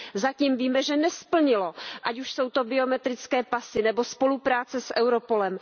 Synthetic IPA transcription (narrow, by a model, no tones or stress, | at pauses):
zaciːmviːmɛʒɛnɛspl̩ɲɪlo̞ʔacuʃso̞wt̪o̞bɪo̞mɛt̪ɾɪt͡skɛːpasɪnɛbo̞spo̞lupɾaːt͡sɛsʔɛwɾo̞po̞lɛm